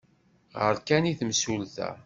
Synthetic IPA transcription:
ʁəɾkæniθmsulθæ̰

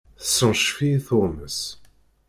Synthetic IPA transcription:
θəsːənʃfiθʊməs

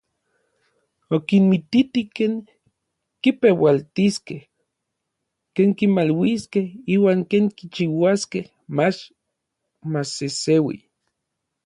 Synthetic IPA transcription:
okinmit̪it̪ikeːŋ | kipewalt̪iskeh | keːŋkimalwiskehiːwaːŋkeːŋkit͡ʃiwaskeh | mat͡ʃ | masesewḭ

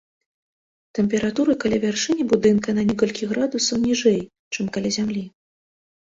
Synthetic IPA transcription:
t̪ɛmʲpʲɛɾat̪uɾɨkalʲavʲarʂɨnʲibud̪ɨnkɐnɐnʲɛkɔlʲkʲiɣɾad̪usɐwnʲiʐɛj | t͡ʂɨmkalʲazʲamlʲi

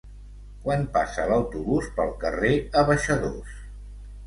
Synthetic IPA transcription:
kwanpasələwt̪uβuspəlˠkəreəβəʃəðos

